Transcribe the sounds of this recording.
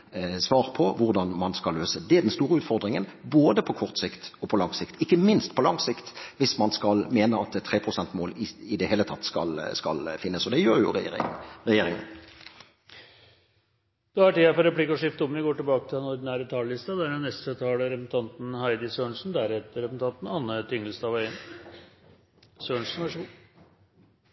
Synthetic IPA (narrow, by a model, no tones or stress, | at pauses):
sʋɑːʁpʰɔʋʊʁd̪ɑnmɑnskɑlːøːsəd̪ɛæʁɖ̪ɛnst̪uːɾəʉːt̪fɔʁd̪ʁɪŋənboːd̪əpʰɔkʰɔʁt̪sɪkt̪ɔpʰɔlɑŋsɪkt̪ɪkːəmɪnst̪pʰɔlɑŋsɪkt̪ʋɪsmɑnskɑlmeːnəɑt̪̚ɛt̪ʰːʁeːpʰɾʁʊsɛnt̪moːlɪɪd̪ɛheːlət̪ʰɑt̪ːskɑ̰lskɑ̰lfɪnːəsɔd̪ɛjøːɾjʊ̰ʁ̰ʁɛjeːɾɪŋə̰n | d̪̥ɑæʈiːɛpɔɾɛpʰlɪkːɔʂɪft̪əʊmnɪɡoːʈɪlbɑːkət̪ʰɪlɛnɔɾd̪ɪnæːɾət̪ʰɑllɪst̪ɑd̪æːɖɛnːɛst̪ət̪ʰɑːləɾɛpn̩t̪ʰɑnt̪n̩hæɪd̪ɪsøːɳʂn̩d̪æɾhɛt̪əɾɛpn̩t̪ʰɑnt̪n̩ɑnːət̪ʰɪŋːəlst̪ɑːʋɑɪn | søːɳʂn̩ʋæʂu